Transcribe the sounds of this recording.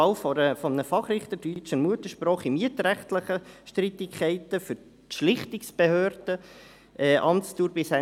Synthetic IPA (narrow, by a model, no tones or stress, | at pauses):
ɑlfɔɾəfɔmnəfɑχrɪχt̪ədyt͡ʃənmuət̪əʃprɔːχimiətɾæχtləχəʃtrit̪ɪkχɛɪtəfʏɾ | ʃlɪχt̪iksb̥ehøːrd̥ə | ʔɛːʔɑmt͡stuːɾbɪsæ